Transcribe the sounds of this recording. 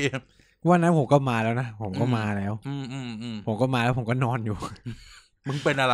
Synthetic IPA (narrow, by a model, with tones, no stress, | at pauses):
waː˧˩na˦˥npʰo˨˦mkɔː˥˩maː˧lɛː˦˥wna˦˥pʰo˨˩˦mkɔː˥˩maː˧lɛː˦˥wʔɯː˧˩mʔɯː˧˩mɯː˧mpʰo˨˩˦mkɔː˥˩maː˧lɛː˦˥wpʰo˩˦kɔː˥˩nɔː˧njuː˨˩ | mɯ˧˥˩ŋpe˧nʔa˧ɾa˧